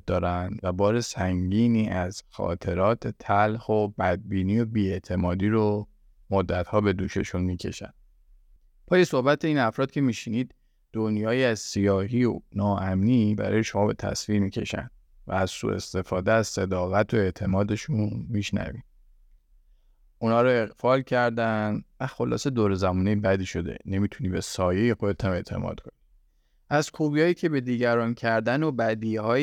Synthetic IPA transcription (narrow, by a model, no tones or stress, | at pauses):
d̪ɒːɾænd̪væbɒːɾe̞sæŋɟiːniːʔæz̥xɒ̰ːt̪ʰe̞ɾɒːt̪ʰet̪ʰælhobæd̪̚biːniːo̞biːe̞t̪ʰe̞mɒːd̪iːɾo | mod̪ːæt̪hɒːbe̞d̪uːʃeʃunmiːcʰe̞ʃæ̰nd̪ | pʰɒːje̞sohbæt̪ʰe̞iːnæfɾɒːd̪̥̚kcʰe̞miːʃiniːd̪ | d̪̥onjɒːjiːæzsijɒːhiːo̰nɒːʔæmniːbæ̰ɾɒ̰ːje̞ʃo̞mɒːbe̞t̪ʰæ̰sviːɾmiːkcʰe̞̰ʃæ̰nd̪̚ | væ̰æz̥sṵe̞̰st̪e̞fɒːd̪eæzse̞d̪ɒːɣæt̪ʰoe̞ʔt̪ʰe̞mɒːd̪e̞ʃunmiʃnæ̰vḭ | unhɒːɾoe̞ɣfɒːlcʰæɾd̪ænvæxo̞lɒ̰ːse̞d̪oːɾezæmuːne̞jbæd̪iːʃo̞d̪e̞̰ne̞miːt̪ʰuniːbe̞sɒːje̞jexod̪et̪ʰæme̞ʔt̪ʰe̞̰mʔɒ̰ːd̪̥̚kʰo̞ni | ʔæzkʰubijɒːjiːcʰe̞be̞d̪iːɟæɾɒːncʰæɾd̪ænobæd̪iːhɒː